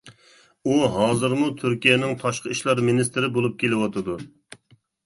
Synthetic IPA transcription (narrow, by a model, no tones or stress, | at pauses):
uɦɑːzɨɾmut̪ʰyɾkʲijɛnɪŋt̪ʰɑʃqəiʃlˠɑɾminɪst̪ɪɾɪbolˠup̚kʲelɪwɑt̪ʰɨd̪u